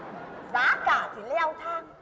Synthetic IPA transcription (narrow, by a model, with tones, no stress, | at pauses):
zaː˨˦kaː˧˩t̪ʰi˨˩le˧˦ʔa˧wt̪ʰaː˧ŋ